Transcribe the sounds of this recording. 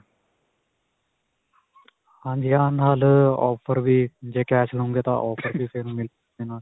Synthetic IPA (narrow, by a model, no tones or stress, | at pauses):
hãːɲd͡ʒijaːnaːlɔːpʰəɾʋiːd͡ʒeːkɛːt͡ʃlõːŋɡeːt̪ã̰ːʔɔːpʰəɾbiːseːnũːmɪl | eːnaː